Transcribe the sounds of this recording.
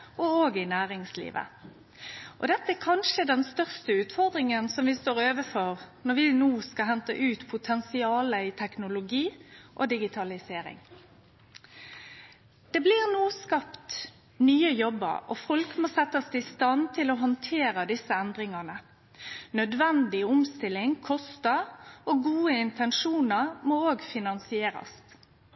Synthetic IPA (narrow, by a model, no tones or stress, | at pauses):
ɔoːɡɪnæːʁɪŋslḭːʋə̰ | ʔɔ̰d̪ɛt̪ːəækʰɑnʃəd̪ɛnst̪œʁst̪əʉːt̪fɔʁd̪ʁɪŋənsɔmʋɪst̪oːʁøːʋəfɔʁnɔʁʋɪnuːskɑɦɛnt̪ə̰ʔʉːt̪pʰʊt̪ʰɛnsɪɑːləɪt̪ʰɛknʊlʊɡiːʔɔ̰d̪ɪɡɪt̪ʰɑlɪseːɾɪ̰ŋ | d̪̥ɛːblɪʁnuːskɑpt̪ | nyːəjɔbːə̰ɾɔ̰fɔlkmoːsɛt̪ːəst̪ɪst̪ɑnt̪ʰɪlɔɦɔnt̪ʰeːʁəd̪ɪsəɛnd̪ʁɪŋɑnə | nœd̪ʋɛnd̪ɪʊmst̪ɪlːɪŋkʰɔst̪əoɡuːəɪnt̪ʰɛnʂuːnəʁmooːɡfɪnɑnsɪeːɾɑ̰s